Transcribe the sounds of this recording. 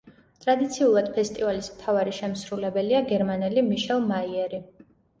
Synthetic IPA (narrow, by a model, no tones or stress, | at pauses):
t̪ʼɾad̪it̪sʰiulˠad̪̥̚pʰɛst̪ʼivalismt̪ʰavaɾiʃɛmsɾulɛbɛliaɡɛɾmanɛlimiʃɛlˠmaiɛɾi